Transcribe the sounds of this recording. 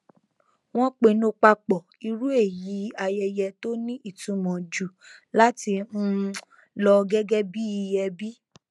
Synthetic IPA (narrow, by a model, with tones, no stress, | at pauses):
w̃ɔ̃˦k͡pe˧nũ˧˦k͡pa˧k͡pɔ˨i˧ɾu˦e˦˨ji˨˦a˧jɛ˧jɛ˧to˦nĩ˦i˦˨tũ˨˦mɔ̃˨d͡ʒu˨la˦ti˧ñ̩˦ | lɔ˧ɡɛ˦ɡɛ˦bi˦i˧jɛ˧bi˦